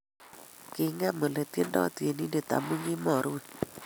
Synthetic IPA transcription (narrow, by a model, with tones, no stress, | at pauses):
kɪ˨ŋa˦mə˨le˨te˦ndɔ̰˦te˨ni˦nde˨ta̰˨mu˦ŋi˦mɔ˨ɾwe˨